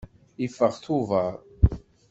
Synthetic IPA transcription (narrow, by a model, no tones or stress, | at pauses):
ifːəʁθuvəɾˤ